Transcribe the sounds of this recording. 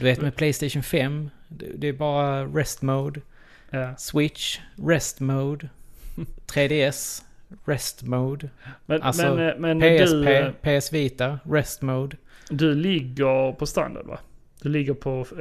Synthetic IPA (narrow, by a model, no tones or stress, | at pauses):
d̪ɵveːt̪mɛpʰlɛjst̪ɛɪʂʊnfɛm | d̪̰d̪ɛːbɑːɾaɾɛst̪moʊd̪ | swɪtʂɾɛst̪moːd̪ | t̪ʰɾeːd̪eːɛsɾɛst̪moːd̪mɛʔalsɛɔmɛnpeːdɛseːpʰeːɛsviːt̪aɾɛst̪moʊd̪d̪ɵlɪɡːəɾpʰɔst̪a̰nd̪a̰d̪va̰ | d̪̥ɵlɪɡːəɾpʰɔ